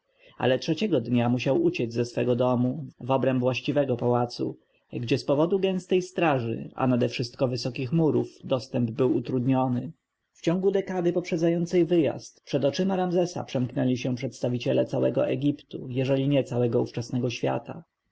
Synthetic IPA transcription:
a̰lɛtʂɛt͡ɕɛɡɔd̪ɲamuɕawut͡ɕɛzʲzɛsfɛɡɔd̪ɔmuvɔbɾɛmvwaɕt͡ɕivɛɡɔpawat̪sṵ | ɡd͡ʑɛspɔvɔd̪uɡɛ̃w̃st̪ɛjst̪ɾaʐɘ̰a̰nad̪ɛfʂɘst̪̚kɔvɘsɔkʲixmuɾuvd̪ɔst̪ɛmbbɘwut̪ɾud̪ɲɔnɘ | ft͡ɕɔŋɡud̪ɛkad̪ɘpɔpʂɛd̪zajɔnt̪sɛjvɘja̰st̪pʂɛd̪ɔt͡ʂɘmaɾamzɛsa̰pʂɛmknɛlʲiɕɛpʂɛt̪st̪avʲit͡ɕɛlɛt̪sawɛɡɔ̰ʔɛɡʲipt̪ujɛʐɛlʲiɲɛt̪sawɛɡɔuft͡ʂasnɛɡɔɕfʲja̰t̪a

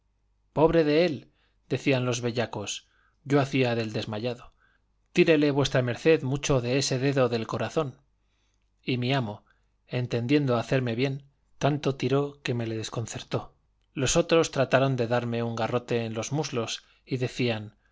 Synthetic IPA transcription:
po̞β̞ɾe̞ðe̞e̞l | d̪̥e̞θianlo̞zβe̞ʎako̞s | ɟ͡ʝo̞aθiaðe̞ld̪e̞zmaʎaðo̞ | t̪iɾe̞le̞βwe̞st̪ɾame̞ɾθe̞ðmut͡ʃo̞ðe̞ese̞ðe̞ðo̞ðe̞lko̞ɾaθo̞n | imiamo̞ | e̞nt̪end̪je̞nd̪o̞aθe̞ɾme̞βje̞n | t̪ant̪o̞t̪iɾo̞ke̞me̞le̞ðe̞sko̞nθe̞ɾt̪o̞ | lo̞so̞t̪ɾo̞st̪ɾat̪aɾo̞nd̪e̞ðaɾme̞uŋɡaro̞t̪e̞ːnlo̞zmuzlo̞s | iðe̞θian

